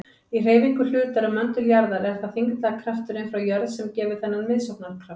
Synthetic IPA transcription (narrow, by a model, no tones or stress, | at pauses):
ir̥eːjviŋkʏl̥ʏːt̪aɾʏmːœnt̪ʏljaɾðalɛɣɾθaðθiŋkt̪lakʰɾaft̪ʏɾɪnfɾawjœɾðsɛmcɛːvʏ̥θɛnːanmɪðsowknaɾkʰɾaf